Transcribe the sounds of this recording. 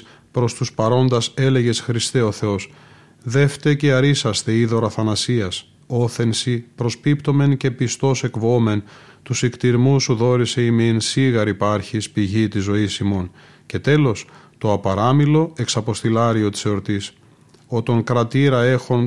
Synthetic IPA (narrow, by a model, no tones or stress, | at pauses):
pɾo̞st̪uspɐɾo̞nd̪ɐse̞le̞ʝe̞sxɾist̪e̞o̞θe̞o̞s | ðe̞ft̪e̞ceɐɾisɐst̪e̞iðo̞ɾɐθɐnɐsiɐs | o̞θe̞nsipɾo̞spipt̪o̞me̞nce̞pist̪o̞sekvo̞me̞nt̪usikt̪iɾmusuðo̞ɾise̞imeːnsiɣɐɾipɐɾçispiʝit̪izo̞isimo̞n | ce̞t̪e̞lo̞s | t̪o̞ɐpɐɾɐmilo̞e̞ksɐpo̞st̪ilɐɾio̞t̪i̥so̞ɾt̪is | o̞t̪oŋkɾɐt̪iɾɐe̞xo̞n